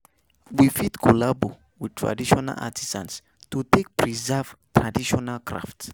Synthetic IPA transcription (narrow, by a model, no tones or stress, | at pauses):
wifitkʰulabo | wid̚tʰɹa̰diʃɔna̰la̰tʰizãns | tutek̚pʰɹizɛv̥tʰɹadiʃɔnalkʰɹa̰fts